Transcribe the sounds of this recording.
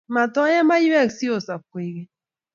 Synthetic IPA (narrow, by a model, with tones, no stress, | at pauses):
ma˨tɔ˦jɛ˦ma˦ju˦ɛ˦˨ksi˦o˨sa˨kwe˨˦ɣe˦